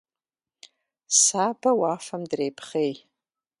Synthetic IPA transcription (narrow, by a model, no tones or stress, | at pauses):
sabawafamdrejpʰχej